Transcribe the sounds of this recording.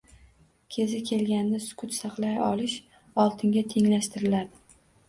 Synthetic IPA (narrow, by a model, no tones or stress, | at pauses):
kʲʰe̞zɪkʲʰe̞lɡʲand̪asʊ̥kʰʊt̪sɑqlˠajɒlɪʃ | ɒlˠt̪ʰɪŋɡʲat̪ʰe̞ŋlaʃt̪ɪɾɪlad̪ɪ